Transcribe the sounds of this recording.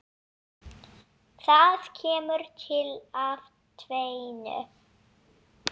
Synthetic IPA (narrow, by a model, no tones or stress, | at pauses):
θaðcʰɛːmʏɾt̪ʰɪlav | t̪ʰvejnʏ̰